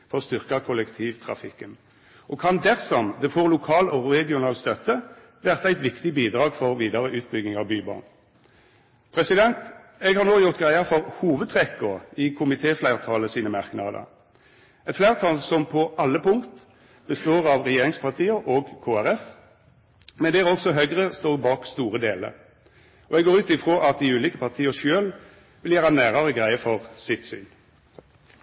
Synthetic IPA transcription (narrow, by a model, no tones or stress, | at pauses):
fɔst̪ʏʁkɑkʰʊlɛkt̪ʰiːʋt̪ʰʁɑ̰fɪkːən | ʔɔkʰɑnd̪ɛʁsɔmd̪ɛfoːʁlʊkʰɑːlɔʁɛɡɪʊnɑːlst̪œt̪ːə | ʋæʁt̪ɑæɪt̪ʋɪkt̪ɪbiːd̪ʁɑːɡfɔʁʋiːd̪ɑʁəʔʉːt̪̚bʏɡnɪŋɑʋbyːbɑ̰n | pʰʁɛsɪd̪ɛnt̪ | ɛɡhɑʁnoːjʊʁt̪̚ɡʁæɪɑʁfɔʁhuːʋəd̪̚t̪ʰʁɛkːoɪkʰʊmɪt̪ʰeːflæɪʁt̪ʰɑləsiːnəmɑʁknɑd̪ə̰ | ɛt̪flæɪʁt̪ʰɑlsɔmpʰɔʔɑlːəpʊŋkt̪ | b̥əst̪oːʁɑʋʁɛjeːɾɪŋspʰɑʁt̪ʰiːəʔoːɡkʰoːæʁɛf | mɛnd̪ɛæʁɔksɔɦœʏɡʁəst̪oːʁbɑːkst̪uːʁəd̪eːlə̰ɾ | ɔɛɡoːʁʉːt̪ɪfʁoːʔɑt̪̚d̪ɪʉːliːkəpʰɑʁt̪ʰiːəʃøːl | ʋɪljæːʁɑnæːʁəʁəɡʁæɪəfɔʁsɪt̪sy̰ːn